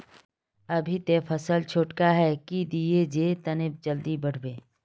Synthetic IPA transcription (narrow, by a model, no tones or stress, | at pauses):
ɐbʱit̪efʰɐsəlt͡ʃʰoːʈkaɦɛkid̪ied͡ʒeːt̪ɐnɪp̚d͡ʒəld̪ibɐɽ̤beː